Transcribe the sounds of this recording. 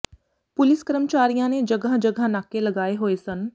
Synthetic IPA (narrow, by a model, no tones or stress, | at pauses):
pʊlɪskəɾəmt͡ʃaːɾijãːneːd͡ʒəɡəɦd͡ʒəɡʱanaːkeləɡaːeɦoːesən